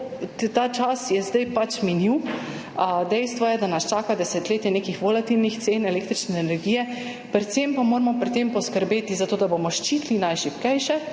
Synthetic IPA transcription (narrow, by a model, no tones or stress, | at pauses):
t̪at͡ʃasjɛzd̪ajpat͡ʃminiw | d̪ɛjst̪ʋɔjɛd̪anast͡ʃaːkad̪ɛsɛt̪leːt̪jɛneːkixʋolat̪ilnixt̪seːnɛleːk̚t̪ɾit͡ʃnɛːnɛɾɡiːjɛ | pɾɛt̪sempamoːɾmɔpɾit̪empɔskəɾbeːt̪izat̪oːd̪abomɔʃt͡ʃiːt̪linajʃipkɛjʃɛ